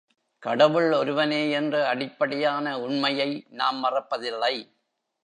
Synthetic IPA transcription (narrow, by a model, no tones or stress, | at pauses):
kɐɽɐʋɯɭɔɾɯʋɐneːɛndrɯɐɽɪpːɐɽɪjaːnɐʊɳmɐjɐɪnaːmːɐrɐpːɐðɪlːɐɪ